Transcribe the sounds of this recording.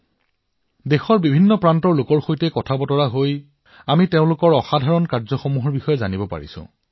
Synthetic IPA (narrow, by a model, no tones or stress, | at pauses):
dexɔɹbibʱinːɔpɹantɔɹlʊkɔɹxojtɛkɔtʰabɔtɔɹaɦoj | amiteʊ̃lʊkɔɹɔxadʱaɹɔnkaɹzɔxɔmuɦɔɹbixɔjɛzanibɔpa̰ɹḭsʊ̰̃